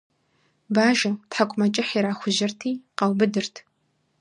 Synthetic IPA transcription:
baːʒɐtħakʷʼmɐt͡ʃʼɪħiːɾaːxʷʊʒɪrtʰiːqɐwbɨdɨrtʰ

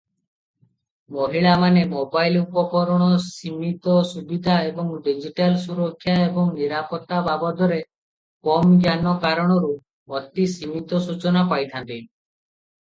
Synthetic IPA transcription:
mɔɦiɭamanemobajlupɔkɔɾɔɽ̃ɔsimit̪ɔsubid̪ʱaebɔŋɖid͡ʒiʈalsuɾɔkʰːjaebɔŋniɾapɔt̪ːababɔd̪ʱɔɾe | kɔmɡjanɔkaɾɔɽ̃ɔɾu | ɔt̪isimit̪ɔsut͡ʃɔnapajt̪ʰant̪i

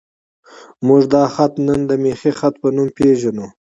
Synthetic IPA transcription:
mʊʒd̪ɑxat̪nənd̪əmexixat̪̚pənumpeʒanu

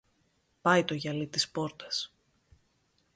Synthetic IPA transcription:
pɐjt̪o̞ʝɐlit̪ispo̞ɾt̪ɐs

